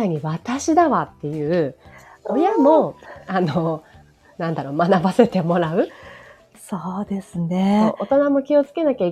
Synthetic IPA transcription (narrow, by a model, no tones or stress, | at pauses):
aɲ̟iβat̪aɕid̪aβat̪ːe̞jɯ̟ːojamo̞ano | nãnd̪aɾo̞manabase̞t̪e̞mo̞ɾaɯ̟ | soːd̪e̞sɨneʔot̪onamo̞kʲio̞t͡sɨ̥ke̞nakʲai